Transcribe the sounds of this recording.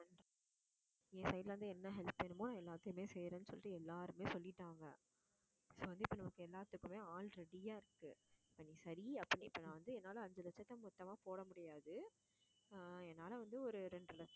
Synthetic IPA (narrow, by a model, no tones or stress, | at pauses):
ɐn | ẽːsɐjɪʈlɐʋɐnd̪ɯɛnːɐɦɛlpenːɯmːoːnãːɛlːaːt̪ːɯmeːsɛjɾɐnːɯsɔlːɪʈːɯɛlːaːɾɯmeːsɔlːɪʈːaːŋɡɐ | soːʋɐnd̪ɯɪpːonɐmɐkːɯɛlːaːt̪ːɯkːɯmeːaːlɾɛɽɪjaːɪɾɯkːɯ̰ɪpːɐniːsɐɾiɐpːɐnːiɪpːɐnãːʋɐnd̪ɯɛnːaːlɐɐɲd͡ʒɐlɐt͡ʃːɐt̪ːɐmʊt̪ːɐmaːpoːɽɐmʊɽɪjaːðɯ | ɛnːaːlɐʋɐnd̪ɯɔɾɯɾɛɳɖrɯlɐt͡ʃː